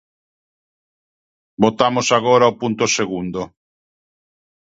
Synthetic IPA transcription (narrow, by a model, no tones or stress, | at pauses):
bot̪amosaɣ̞oɾaopunt̪oseɣund̪o